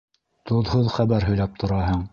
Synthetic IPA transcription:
t̪ŏðhoðχæβæɾɦɵ̆jlæp̚t̪ŏɾɑɦɤɴ

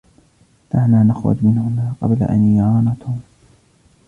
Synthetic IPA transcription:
naʕnaːnaxwa̰d̪mɪnhʊnaːqɑ̰bla̰ʔa̰nʕɑːnat̪ʊm

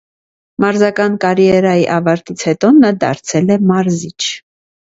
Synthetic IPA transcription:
mɑɾzɑkɑnkɑɾijɛɾɑjiʔɑvɑɾt̪it͡sʰhɛt̪ɔnɑd̪ɑ̰ɾt͡sʰɛlɛmɑɾzit͡ʃʰ

